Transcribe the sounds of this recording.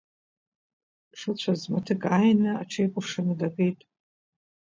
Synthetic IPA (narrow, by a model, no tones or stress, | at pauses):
ʂɨt͡ɕʷʰazmatʰɨkʼajnaaʈ͡ʂʰejkʷʼʊʂɨnɨdakʼejtʼ